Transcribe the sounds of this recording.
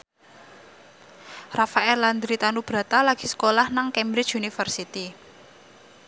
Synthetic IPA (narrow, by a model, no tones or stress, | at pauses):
rafaɛland̪ɾit̪anub̥ɾä̤t̪alaɡ̥i̤sə̥kolahnaŋkɛmbɾɪ̥t͡ʃunifərsit̪i